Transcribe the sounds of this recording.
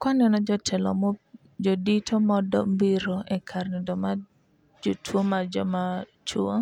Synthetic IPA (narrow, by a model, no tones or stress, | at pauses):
kanɛnɔd͡ʒɔtʰɛlɔ̰mɔ | d͡ʒoditʰomɔdɔ̰mbiɾoɛkʰarnɪdɔma | d͡ʒotʰwomad͡ʒɔma | t͡ʃuo